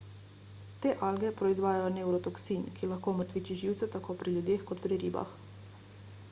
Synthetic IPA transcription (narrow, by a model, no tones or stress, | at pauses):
t̪eːʔaːlɡɛpɾɔizʋaːjajɔnɛwɾɔt̪ɔksinkilaxkoːməɾt̪ʋiːt͡ʃiʒiːwt̪sɛt̪akoːpɾiljud̪eːxkɔt̪pɾiɾiːba̰x